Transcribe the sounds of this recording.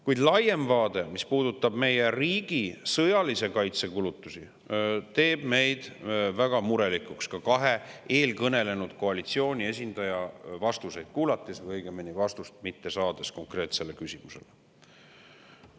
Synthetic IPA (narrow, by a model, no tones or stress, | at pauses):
kujd̪lɑje̞mvɑːd̪e̞mispuːd̪ut̪ːˑɑb̥me̞je̞riːɡ̥isɤjɑlise̞kɑjt̪se̞kulut̪ːˑusi | t̪e̞ːb̥me̞jd̪̥væɡ̥ɑmuɾe̞likukskɑkɑɦe̞e̞ːlkɤne̞le̞nud̪̥ko̞ɑlit̪sio̞ːnʲie̞s̬ʲind̪̥ɑjɑvɑst̪use̞jd̪̥̚kuːlɑt̪ːˑesvɤjɡ̥emenivɑst̪ust̪mit̪ːe̞sɑːd̪̥e̞sko̞ŋkre̞ːt̪se̞le̞kysʲimuse̞̰le